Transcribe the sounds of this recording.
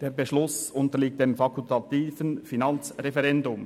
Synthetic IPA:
d̥eːbeʃlʊsʊntəliːk̚t̚d̥emfɑkʰʊltɑt̪iːfənfinɑnt͡sʁefɛʁɛndʊm

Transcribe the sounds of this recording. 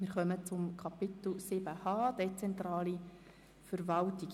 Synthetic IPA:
mɪːɾχœmət͡sʊmkʰɑpɪt̪l̩sɪbəhɑːd̥̪et͡sɛnt̪ɾɑːli | fəɾvɑltik

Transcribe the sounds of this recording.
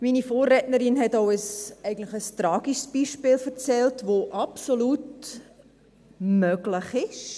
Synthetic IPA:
miːnifoːrɛtnəɾinɦɛtaʊəsɛɪɡən̩tlɪxəstɾɑːɡ̥iʃsb̥iʃpɪːlfəɾt͡sɛltʋoʔɑpsolut | mœɡlɪχɪʃ

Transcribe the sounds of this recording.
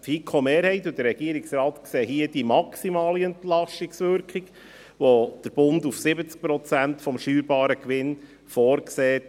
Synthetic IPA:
fikʰomeːɾhɛɪtud̥̪əɾːɛɡiəɾɪksɾɑːt̪kseːɦiəd̥imɑksimɑːliɛntlɑʃtɪksʋʏɾkχik | ʋod̥əɾb̥ʊndufsɪbət͡sk̚pɾɔt͡sæntfɔmʃyːɾbɑːɾəkʋɪn | fɔːɾkseːt

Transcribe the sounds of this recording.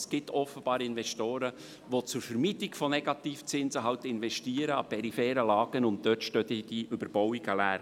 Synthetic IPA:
sɡ̥ɪt̪ɔfəb̥ɑːɾɪnvɛʃtoːɾə | ʋot͡sʊɾfəɾmiːtɪɡfɔnɛɡ̥ɑt̪iːft͡sɪnzəɦɑʊtɪnvɛʃtiːəɾəɑpʰɛɾifɛːɾəlɑːɡ̥ənʊnt̚d̥øːtʃtøt̪əd̥iʔʏbəɾb̥ɔwiɡalæːɾ

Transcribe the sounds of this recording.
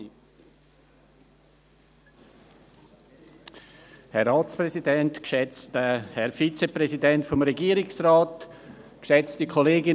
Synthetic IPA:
hɛɾaːt͡spɾɛsidɛntkʃɛt͡stəhɛɾfit͡seprɛsidɛntfɔmɾɛɡiːəɾɪksraːtkʃɛt͡stikʰoleːɡɪ

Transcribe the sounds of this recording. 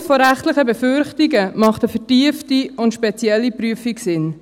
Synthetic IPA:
fɔɾæχtləχəbɛfʏɾχtiɡəmɑχtəfətiəftiʊntʃpɛt͡sjɛlːipɾyəfiksɪn

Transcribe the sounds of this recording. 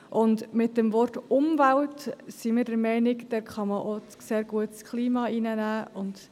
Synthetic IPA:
ʔʊndmɪt̚dɛmvɔrtʊmvæltsiməɾdəɾmɛɪnɪkd̥ɛɾχɑməʔo | seːɾɡ̥uətskʰliːmɑinənæːʔʊnd̥

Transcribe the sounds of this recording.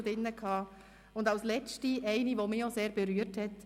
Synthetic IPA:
dɪnːəkʰhɑː | ʊndɑʊslɛt͡ʃtiɛɪniʋomioseːɾb̥eɾyːəɾthɛt

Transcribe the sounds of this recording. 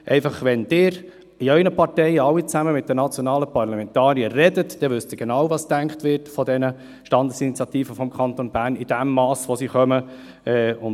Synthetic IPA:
ʔɛɪfɑχʋɛnd̥ɪːɾ | iœʏnəpɑɾtɛɪəɑwit͡sæməmɪt̪̚d̥̪ənɑt͡sjonɑːləpɑɾrlɑmɛnt̪ɑːɾijərɛdətd̥ɛʋʏstɪːɾɡ̥enɑwvɑstæŋkχtʋɪɾtfɔdɛnə | ʃtɑnd̪əsinit͡sjɑt̪iːfəfɔmkʰɑnt̪onbæːɾnid̥æmːɑːsʋosiχœmə | ɛʊn

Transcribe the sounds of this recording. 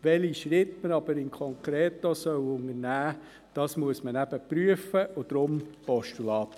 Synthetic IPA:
ʋɛliʃɾɪtmənɑbəɾɪŋkʰɔŋkɾeːt̪ːosœwʊŋəɾnæː | d̥ɑːsmuəsmənæb̥əpɾyəfəʊd̥̪ɾʊmpɔʃtulɑːt̪

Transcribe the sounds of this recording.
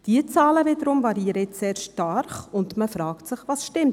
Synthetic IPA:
d̥iət͡sɑːləvɪdəɾʊmvɑɾiːəɾəɪseːɾʃtɑɾχʊndməfɾɑːktsɪχʋɑsʃtɪmt

